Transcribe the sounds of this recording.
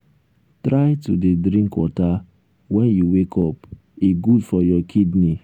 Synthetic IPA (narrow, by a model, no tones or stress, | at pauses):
tɾaɪtudedɾĩŋkwɔta | wɛnjuwekʰɔp | iɡudfɔjɔkʰidni